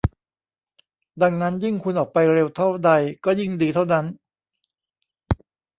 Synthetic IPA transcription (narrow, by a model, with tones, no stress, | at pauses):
da˧ŋna˦˥nji˥˩ŋkʰu˧nʔɔː˨˩k̚pa˧jɾe˧wt̪ʰa˥˩wda˧jkɔː˥˩ji˥˩ŋdiː˧t̪ʰa˥˩wna˦˥n